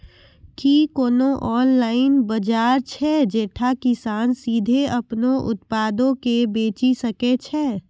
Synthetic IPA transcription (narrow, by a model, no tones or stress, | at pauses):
kikoːnoʔɔːnlaːɪnbɐd͡ʒaːɾt͡ʃʰɛd͡ʒeːʈʰakɪsaːnsiːd̪ʱeɐpnõʔʊ̰t̪paːd̪õkebeːt͡ʃisɐket͡ʃʰɛː